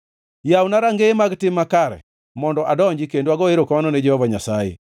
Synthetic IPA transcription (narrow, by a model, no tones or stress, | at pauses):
jawnaɾaŋɡemaɡtɪmːakaɾɛ̰ | mɔndɔʔadɔɲd͡ʒɪkendoaɡɔeɾokamanɔned͡ʒɛhɔvaɲasajḛ